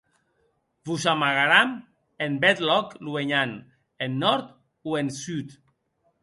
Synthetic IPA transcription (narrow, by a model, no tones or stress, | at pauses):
buzamaɣaɾam | embɛt̪lɔklueɲan | enːɔɾt̪ | uensyt̪